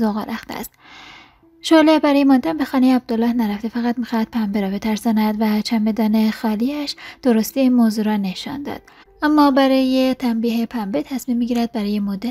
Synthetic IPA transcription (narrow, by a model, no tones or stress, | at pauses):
zoɣɑ̰ːɾæxt̪ḛæ̰st̪ | ʃolebæɾɒjemond̪æmbexɒːnejeæb̚d̪olːɒːhnæɾæft̪efæɣæt̪miːxɒhæd̪̥̚pʰæmbeɾɒːbe̞t̪ʰæɾsɒːnæd̪væt͡ʃʰæmbe̞d̪ɒːne̞xɒːliæʃd̪̥oɾost̪iinmoːzuːɾɒːne̞ʃɒ̰nd̪ɒ̰d̪̥̚ | ʔæmːɒːbæɾɒːjet̪ʰæmbiːɦepʰæmbet̪ʰæsmiːmːiɟiːɾæd̪̚bæɾɒːjemod̪æ